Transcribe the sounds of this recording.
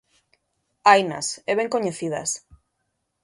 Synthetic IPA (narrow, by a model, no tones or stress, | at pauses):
ajnɐ̰sɛβ̞eŋkoɲeθiðɐ̰s